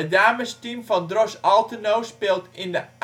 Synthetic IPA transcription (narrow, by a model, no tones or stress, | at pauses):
ədaːməstimvɑndrɔsɑlˠtənowspɪːlˠtɪndəʔ